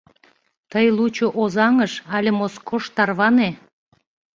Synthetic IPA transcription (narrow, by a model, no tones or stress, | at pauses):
t̪əjlut͡ɕoʔozɑŋəʃɑlʲemoskoʃt̪ɑrβɑne